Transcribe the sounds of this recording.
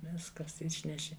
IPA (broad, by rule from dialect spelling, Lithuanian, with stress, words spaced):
ˈʋʲɪskɐs ˈɪʃʲnʲɛʃʲɪ